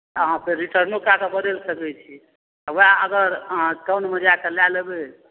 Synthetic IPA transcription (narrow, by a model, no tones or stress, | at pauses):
əɦãpʰeɾiʈəɾnokakebəd̪elsəkɛt͡ʃʰi | ɔʋaəɡəɾʈəwnməd͡ʒakelalebe